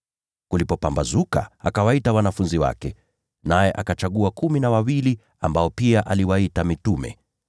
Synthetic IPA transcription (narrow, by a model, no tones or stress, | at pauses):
kulipɔpambazuka̰akawaitawanafunziwa̰kɛ | najɛʔakat͡ʃaɠuakuminawawili | a̰mbaɔpiaʔaliwaitamitumɛ̰